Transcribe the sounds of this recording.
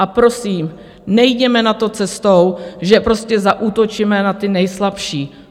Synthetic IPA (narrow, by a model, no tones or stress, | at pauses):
ʔapɾo̞siːm | nɛjɟɛmɛnat̪o̞t͡sɛst̪o̞wʒɛpɾo̞scɛzaʔuːt̪o̞t͡ʃimɛnat̪ɪnɛjslapʃiː